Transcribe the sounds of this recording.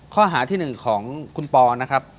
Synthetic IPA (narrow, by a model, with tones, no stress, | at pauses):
kʰɔː˥˩ɦaː˩˦t̪ʰiː˥˩nɯ˨˩ŋkʰɔː˩˦ŋkʰu˧npɔː˧na˦˥kʰɾa˦˥p̚